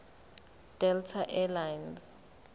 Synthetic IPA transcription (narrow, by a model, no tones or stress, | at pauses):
d̥ɛltʰaʔɛlajnz